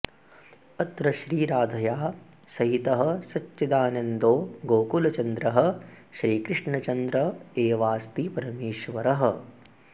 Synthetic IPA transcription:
ɐt̪ɾɐʃɾiːɾaːd̪ʱɐjaː | sɐɦit̪ɐɦɐ̆sɐt͡ʃʃɐd̪aːnɐnd̪oːɡoːkulɐt͡ʃɐnd̪ɾɐɦɐ̆ʃɾiːkɾɪʂɳɐt͡ʃɐnd̪ɾɐeːʋaːst̪ipɐɾɐmeːʃʋɐɾɐɦɐ̆

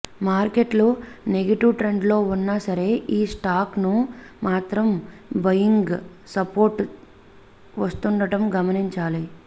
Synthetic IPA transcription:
maːɾke̞ʈluneɡɐʈiʋʈɾe̞ɳɖlo̞ːunːasɐɾe̞ːʔiːsʈaːknumaːt̪ɾɐmbɐjiŋɡ | sɐpoːɾʈ | ʋɐst̪uɳɖɐʈɐmɡɐmɐniɲt͡ʃaːli

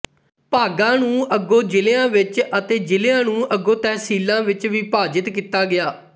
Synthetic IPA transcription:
paːɡãːnũːʔəɡoːd͡ʒɪleãːʋɪt͡ʃət̪eːd͡ʒɪleãːnũːʔəɡoːt̪ɛːsiːlãːʋɪt͡ʃʋiːpaːd͡ʒɪt̪kiːt̪aːɡɪjaː

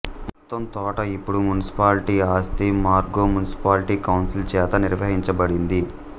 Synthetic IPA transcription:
mɔt̪ːɐmt̪ɔːʈɐipːuɽumjunisi̥paːlʈiaːst̪imaːɾɡoːmunisi̥paːlʈiːkɐwnsilt͡ʃɛːt̪ɐniɾʋɐɦiɲt͡ʃɐbɐɽind̪i

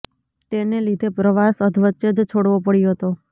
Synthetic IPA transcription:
t̪enelid̪ʱepɾəʋasəd̪ʱʋəːt͡ʃːed͡ʒt͡ʃʰoɽʋopəɽjoɦət̪o

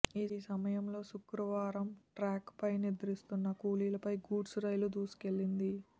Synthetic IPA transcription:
iːsɐmɐjɐmlo̞ːsukɾɐʋaːɾɐmʈɾaːkpɐjnid̪ɐɾist̪unːɐkuːliːlɐpɐjɡuːɖsɾɐjlud̪uːsi̥ke̞ɭːind̪i

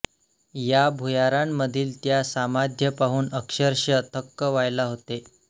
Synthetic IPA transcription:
jabʱujaɾamːəd̪ʱiːlt̪jasamad̪ʱjəpaɦuːnəkʂəɾɕət̪ʰəkːəʋajlaɦot̪e

